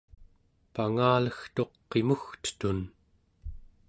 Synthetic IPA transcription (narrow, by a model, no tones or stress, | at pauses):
paŋaːləxt̪o̞qːe̞muxt̪ə̥t̪un